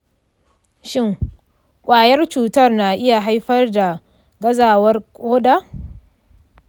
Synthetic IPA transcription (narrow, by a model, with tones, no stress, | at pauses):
ʃɪ˦˨ŋ | kʷʼaː˨jɐ˦rt͡ʃuː˨tɐ˦rna˨ʔɪ˦ja˨ɦa˦jɸɐ˦rda˨ | ɡɐ˦zaː˨wɐ˦rkʷʼoː˦da˦